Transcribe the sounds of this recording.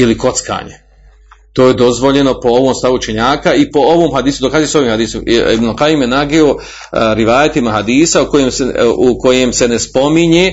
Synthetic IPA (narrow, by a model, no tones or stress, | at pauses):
iliko̞t̪ska̰ːɲḛ | t̪oːje̞d̪o̞zʋo̞ʎe̞no̞po̞o̞ʋoːmst̪aʋuut͡ʃe̞ɲaːkaipo̞oʋoːmɦad̪iːsud̪okaːzijeso̞ʋiːmhad̪iːsomḭbnulqajimjenaɡeo | ɾiʋaːjat̪imaɦad̪iːsauko̞jemseuko̞je̞mse̞ne̞spo̞miɲe